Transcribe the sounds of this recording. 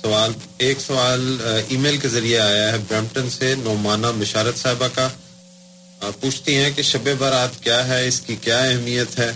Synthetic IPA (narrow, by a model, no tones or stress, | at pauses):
sɐʋaːl | eːksɐʋaːliːmeːlkezɐɾijeaːjaɦɛbɾɛ̃ːmʈənsenɔːmaːnamɐʃaːɾət̪saːɦɪbaka | puːt͡ʃʰt̪iɦɛ̃keʃɐbebaɾaːt̪kjaːɦɛɪskikjaːɛɦmijət̪ɦɛː